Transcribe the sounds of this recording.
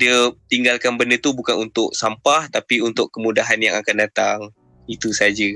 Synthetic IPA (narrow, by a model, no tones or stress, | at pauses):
diət̪iŋɡalkanbəndət̪ubukanunt̪ʊʔ̚sampaht̪apiunt̪ʊʔkːəmudaɦanja̰ŋakandat̪a̰ŋ | it̪usad͡ʒə